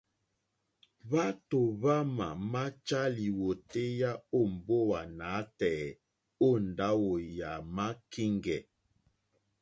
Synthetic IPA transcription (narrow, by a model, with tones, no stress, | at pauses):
βa˦to˨βa˦ma̰˨ma˦t͡ʃa˦li˨wo˨te˦ja˦o˦˨m˨bo˦wa˨na˨˦tɛ˨ | o˦˨nda˦wo˨ja˨ma˦ki˦ŋɡɛ˨